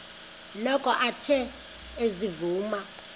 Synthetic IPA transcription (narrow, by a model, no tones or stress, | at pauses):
lɔkʰʼɔʔatʰɛ | ezivuːma